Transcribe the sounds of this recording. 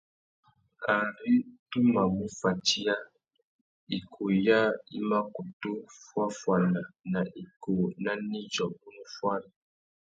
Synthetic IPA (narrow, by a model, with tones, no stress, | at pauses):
a˨ɾi˦tu˦ma˨mu˦fa˨ti˦a˦ | i˨kʰo˨ja˦ḭ˦ma˦ku˨to˦fwa˦fwa˨na˨na˨ʔi˨ko˨na˦ni˦d͡ʒɔ˨bu˦nu˦fwa˦ɾi˨